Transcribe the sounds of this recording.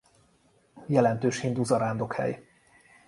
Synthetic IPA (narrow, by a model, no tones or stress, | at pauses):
jɛlɛnt̪øːʃhind̪uzɒɾaːnd̪okhɛ̰j